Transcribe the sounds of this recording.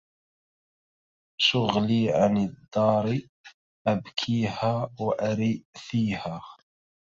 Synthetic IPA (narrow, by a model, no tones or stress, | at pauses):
ʃʊɣliːʕanəd̪ːɑːɾˤi | ʔæbkʰiːhaːwʔæɾiʔθiːhaː